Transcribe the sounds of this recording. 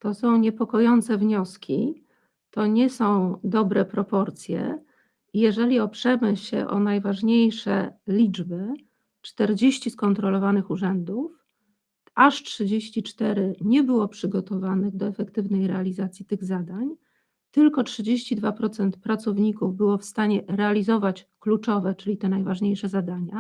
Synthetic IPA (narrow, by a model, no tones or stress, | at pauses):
t̪ɔsɔ̃w̃ɲɛpɔkɔjɔnt̪sɛvɲɔskʲʰi | t̪ɔɲɛsɔ̃w̃d̪ɔbɾɛpɾɔpɔɾt̪sʲjɛ̰ | ijɛʐɛlʲiɔpʂɛmɘɕɛ̰ʔɔ̰najvaʐɲejʂɛ̰lʲid͡ʐbɘ | t͡ʂt̪ɛɾd͡ʑeɕt͡ɕiskɔnt̪ɾɔlɔvanɘxuʐɛnd̪uf | ʔaʂtʂɘd͡ʑeɕt͡ɕit͡ʂt̪ɛɾɘɲɛbɘwɔpʂɘɡɔt̪ɔvanɘɣd̪ɔɛfɛkt̪ɘvnɛjɾɛalʲizat̪sʲjit̪ɘɣzad̪aɲ | t̪ɘlkɔtʂɘd͡ʑeɕt͡ɕid̪vapɾɔt̪sɛnt̪pɾat̪sɔvɲikuvbɘwɔfst̪aɲɛɾɛalʲizɔvat͡ɕklut͡ʂɔvɛt͡ʂɘlʲit̪ɛnajvaʐɲejʂɛzad̪aɲa